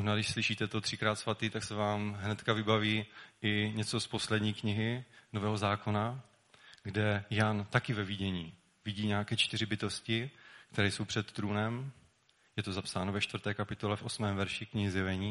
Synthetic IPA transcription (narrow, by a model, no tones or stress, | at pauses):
oʒnadɪʃslɪʃiːt̪ɛt̪ot̪r̝̥ɪkɾaːt̪svat̪iːt̪aksɛvaːmɦnɛt̪kavɪbaviːʔɪɲɛt͡so̞spo̞slɛdɲiːkɲɪɦɪnovɛːɦo̞zaːko̞na | ɡdɛjant̪akɪvɛviɟɛɲiː | vɪɟiːɲaːakɛːt͡ʃt̪ɪrɪbɪt̪o̞scɪk̚t̪ɛɾɛːjso̞wpr̝̥ɛt̪ːɾuːnɛm | jɛt̪o̞zapsaːnovɛʃt̪vɾ̩t̪ɛːkapɪt̪o̞lɛfʔo̞smɛːmvɛɾʃɪkɲɪɦɪzjɛvɛɲiː